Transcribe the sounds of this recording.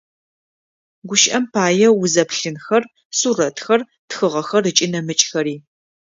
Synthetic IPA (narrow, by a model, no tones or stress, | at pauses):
ɡʷʊʃʔɐmpʰaːjɛwʊzɐpɬɨnxɐr | surɐtxɐr | txɨʁɐxɐrɨt͡ʃʼɪnɐmɨt͡ʃʼxɐɾiː